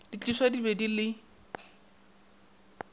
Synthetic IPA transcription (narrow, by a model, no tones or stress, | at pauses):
dit͡ɬʼiswadibedilɪ